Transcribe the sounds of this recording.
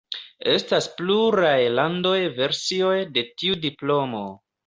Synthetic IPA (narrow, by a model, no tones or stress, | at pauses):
e̞staspluɾajlando̞jve̞ɾsio̞jde̞tiudiplo̞mo̰